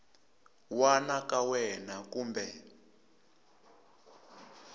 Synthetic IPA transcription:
wanakawɛnakuːmbɛ

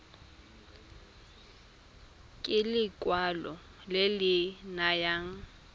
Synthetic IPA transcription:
kʼɪlɪkʼwalɔ | lɪlɪnajaːŋ̩

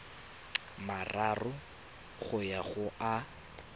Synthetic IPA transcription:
mararʊ | χʊjaχʊʔa

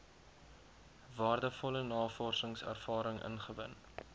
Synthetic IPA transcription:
vɑːrdəfɔlənɑːfɔrsəŋsæ̰rfɑːɾəŋʔə̰nχəvə̰n

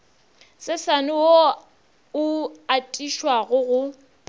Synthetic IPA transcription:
sɪsanʊwo | ʊatʼiʃwaɣʊɣʊ

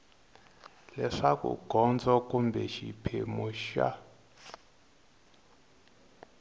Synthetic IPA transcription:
lɛʂakṵɡ̥ʱɔnd͡zɔkumbɛʃipʰemuʃa̰

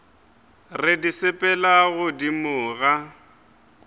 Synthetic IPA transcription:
rɪdisɪpʼɛlaɣʊdimʊːɣa

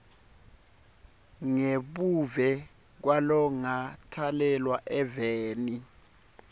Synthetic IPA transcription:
ŋeɓuvɛ | k̬walɔŋatʰalɛlwaʔɛveːni

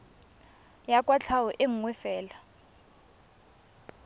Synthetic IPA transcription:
jakʼwat͡ɬʰawɔʔeŋ̩wɛfɛːla

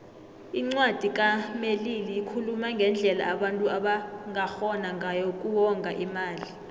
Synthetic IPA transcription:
iŋ͡ǀwad̥ʱik̬ʼameliliːkʰulumaŋɡʱɛnd͡ɮʱɛla̰ːɓantʼuaɓaŋaxɔnaŋʱajɔk̬ʼuwɔŋɡʱaʔimaːli

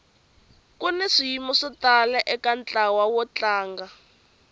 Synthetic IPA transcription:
kunɛʂijimɔʂitalɛʔɛkant͡ɬawawɔt͡ɬaːŋɡa

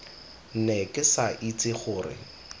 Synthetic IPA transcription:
n̩nɛkʼɪsaʔit͡sʼɪχʊːrɪ̰

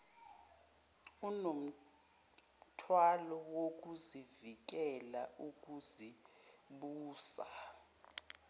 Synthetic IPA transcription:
unom̩ | tʰwalɔwok̬uzivik̬ɛlauk̬ʼuziɓuːsa

